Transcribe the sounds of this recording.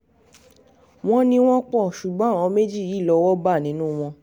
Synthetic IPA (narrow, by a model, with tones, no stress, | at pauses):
w̃ɔ̃˦nĩ˧w̃ɔ̃˦k͡pɔ˦˨ʃu˨ɡ͡bɔ̃˨˦˨ɔ̃˨˧˦me˦d͡ʒi˦˨ji˨˦˨lɔ˧wɔ˦ba˦˨nĩ˨˦nũ˦w̃ɔ̃˧